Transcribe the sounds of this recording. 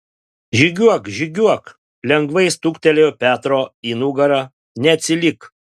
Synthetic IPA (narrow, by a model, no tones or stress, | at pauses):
ʒʲɪɡʲuɔkʒʲɪɡʲuɔk | lʲɛŋɡʋɐɪst̪uːkt̪ʲɛlʲejpʲæːt̪ɾoːiːnuɡɐɾɐ | nʲɛɐt̪ʲsʲɪlʲɪk